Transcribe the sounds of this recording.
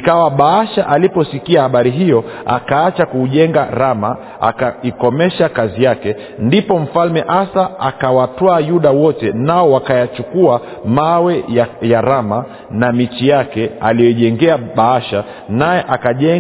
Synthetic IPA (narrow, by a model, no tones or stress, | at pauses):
ikawaɓaaʃaʔalipɔsikiahaɓaɾiɦijɔ | a̰kaat͡ʃakuʄɛŋɡaɾama | a̰kaikɔmɛʃakazijakɛ | ndipɔm̩falmɛʔasaakawatwaːjuɗawɔtɛnaɔwakajat͡ʃukua | mawɛjaɾama | namit͡ʃijakɛalijɔiʄɛŋɡɛaɓaaʃa | najɛʔakaʄɛ